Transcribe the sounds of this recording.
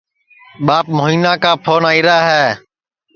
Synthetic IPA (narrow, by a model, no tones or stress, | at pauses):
ɓaːp̚moɦiːnãːkaːpʰoːnaːiːɾaːɦɛː